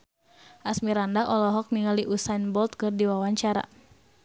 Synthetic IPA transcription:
ʔasmiɾandaʔɔlɔɦɔk̚niŋaliʔusanbɔlt̪̚kɨrdiwawaɲt͡ʃaɾa̰

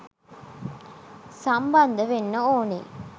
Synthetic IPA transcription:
sɐmbɐnd̪əʋenːɐoːnḛ

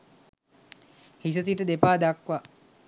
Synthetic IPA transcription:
his̬ət̪iʈəd̪epaːd̪akʋa

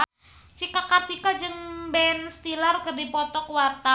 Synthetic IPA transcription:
t͡ʃikakat̪ikad͡ʒəŋbɛnst̪ilarkərdipɔt̪ɔkwart̪a

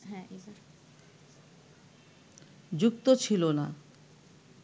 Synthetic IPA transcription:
ɦɛ̃eaɾ | d͡ʑukt̪ot͡ɕʰilona̰

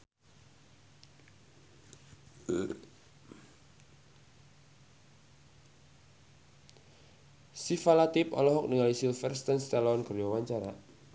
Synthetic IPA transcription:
sifalat̪ɪpɔ̰lɔɦɔk̚niŋalisilfɛrst̪ənst̪alaɔnɡərjɔwaɲt͡ʃaɾa

